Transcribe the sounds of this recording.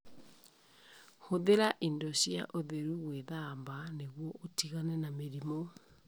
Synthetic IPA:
hoðeɾaʔindɔɕjaʔoðeɾuɣweðambaneɣwɔʔotiɣanɛnameɾimo

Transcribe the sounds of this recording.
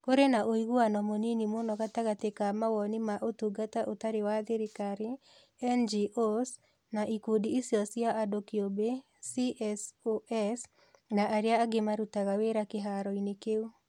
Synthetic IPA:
koɾenaʔoiɣuanɔmoninimonɔɣataɣatekamawɔnimaʔotuɡataʔotaɾewaðeɾekaɾi | ɛnd͡ʒiʔos | naʔikudiisiɔsjaʔːdokiobe | siʔɛsoɛs | naʔaɾeaːɡemaɾutaɣaweɾakeɦaɾɔinekeu

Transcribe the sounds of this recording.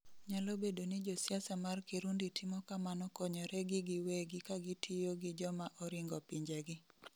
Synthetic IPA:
ɲalobedonɪd͡ʒɔsjasamarkiɾunditʰɪmɔkamanɔkɔɲɔɾɛɡɪɡɪweɡɪkaɡɪtʰɪjoɡɪd͡ʒɔmaʔɔɾɪŋɡɔpiɲd͡ʒɛɡɪ

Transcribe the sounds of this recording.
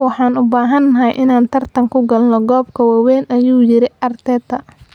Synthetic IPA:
wɑħɑːnʊbaːɦɐnːɐɦɐjʔɪnaːnt̪ʰɐrt̪ʰɐŋkʰʊɡɐlnɔɡɔːbkʰɐwɑwɛːnɐjuːjɪɾɪʔɐrt̪ʰɛːd̪ɐ

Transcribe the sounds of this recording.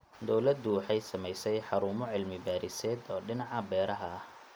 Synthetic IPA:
d̪ɔwlɐd̪ʊwɑħɑjsɐmɛjsɛjħɑɾuːmɔʕɪlmɪbaːɾɪsɛːd̪ɔːɖɪnɑʕɑbɛːɾɐɦɐɐh

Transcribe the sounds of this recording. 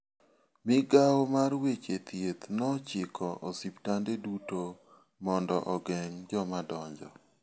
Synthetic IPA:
mɪɡawomarwet͡ʃet̪jet̪nɔt͡ʃɪkʰɔʔɔsiptandeduto | mɔndɔʔɔɡɛŋd͡ʒɔmadɔɲd͡ʒɔ̰

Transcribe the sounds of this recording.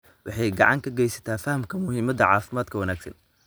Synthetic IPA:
wɑħɑjɡɑʕɑŋkʰɐɡɛjsɐ̥t̪ʰaːfɐhɐmkʰɐmʊɦiːmɐðɐʕɑːfɪmaːd̪kʰɐwɐnaːɡsɐ̰n

